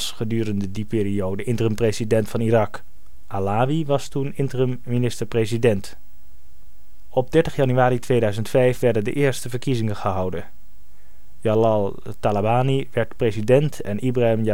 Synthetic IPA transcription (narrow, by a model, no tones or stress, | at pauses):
sχədyːrəndədipɪːɾiowdəʔɪntərəmprezidɛntfɑnirɑk | ʔalaːʋiʋɑstunɪntərəmːinɪstəɹprezidɛnt | ɔb̚dɛɹtəχjɑnyaːɾitʋejdœɥzəntfɛjfʋɛɹdəndə̰ʔɪːɹstəvəɹkizɪŋəχəɦɑwdən | jalɑlˠ | talabaːniʋɛɹtprezidɛntʰɛ̰nʔibraəmja